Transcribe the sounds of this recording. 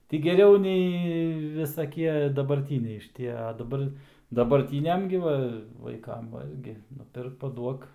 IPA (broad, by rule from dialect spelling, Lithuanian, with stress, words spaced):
tʲɪ ɡʲɛˈrʲɛʊ ˈnʲɛɪ ʋʲɪsɐˈkʲiɛ dɐbɐrʲˈtʲiːnʲɛɪ ʃʲɪˈtʲiɛ ɐ dɐˈbɐr dɐbɐrʲˈtʲiːnʲɛm ɡʲɪ ˈʋɐ ʋɐɪˈkɐm ˈʋɐlʲɡʲɪ nʊˈpʲɪrk pɐˈduɔk